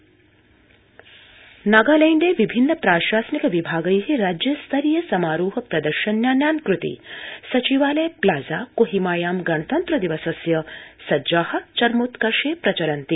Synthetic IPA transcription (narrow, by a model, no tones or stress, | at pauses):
naɡaːlɐjnɖ̪eːʋibʱinːɐpɾaːʃaːsnikɐʋibʱaːɡɐjɦiɾaːd͡ʒjɐst̪ʰɐɾijɐsɐmaːɾuːɦɐpɾɐd̪ɐɾʃɐnjaːnjaːnkɾut̪ḭsɐt͡ʃiʋaːlɐjplaːzaːkoɦimaːjaːmɡɐɳɐt̪ɐnt̪ɾɐd̪iʋɐsɐsjɐsɐd͡ʒaːhɐ̆t͡ʃɐɾmut̪kɐɾʃeːpɾɐt͡ʃɐɾɐnt̪i